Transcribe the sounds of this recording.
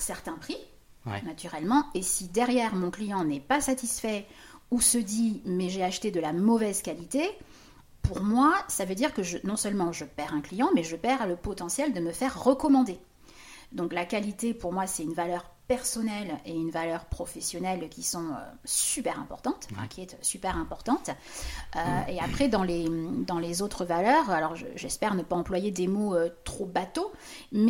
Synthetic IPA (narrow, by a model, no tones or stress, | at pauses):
sɛʁt̪ɛ̃pχi | nat̪ʰyʁɛlmɑ̃esid̪ɛʁjɛʁmɔ̃klijɑ̃nɛpasat̪isfɛ | usəd̪imɛʒeaʃt̪ed̪əlamɔvɛzkalit̪e | puʁmwasavød̪iʁkəʒənɔ̃sœlmɑ̃ʒəpɛʁɛ̃klijɑ̃mɛʒəpɛʁaləpɔt̪ɑ̃sjɛld̪əməfɛʁːəkɔmɑ̃d̪e | d̪ɔ̃klakalit̪epuʁmwasɛt̪ynvalœʁpɛʁsɔnɛleynvalœʁpχɔfɛsjɔnɛlkʲisɔ̃ø̰sypɛʁɛ̃pɔ̰ʁt̪ɑ̃t̪ɛ̰̃kʲiɛt̪sypɛʁɛ̃pɔʁt̪ɑ̃t̪øeapχɛd̪ɑ̃lemd̪ɑ̃lezot̪χəvalœʁalɔʁʒə̰ʒɛspɛʁnəpaɑ̃plwajed̪emoøt̪χobat̪om